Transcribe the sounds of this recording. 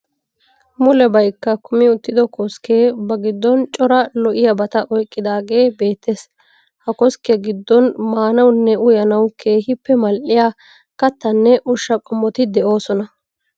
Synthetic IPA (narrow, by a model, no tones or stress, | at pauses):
mʊlɛbɐjkːɐkʊmɪʊt̪ːɪd̪ɔkɔskeːbɐɡɪd̪ːɔnt͡ʃʼɔɾɐlɔʔɪjɐbɐt̪ɐʔɔjkʼːɪd̪aːɡe̞ːbe̞ːt̪ʰːes | hɐkɔskɛɡɪd̪ːɔnmaːnɐwnːɛʊjɐnɐwkʰe̞ːɦɪpːɛmɐlʔɪjaː | kɐt̪ːɐnːɛʔʊʃːɐkʼɔmːɔt̪ɪd̪ɛo̞ːsɔnɐ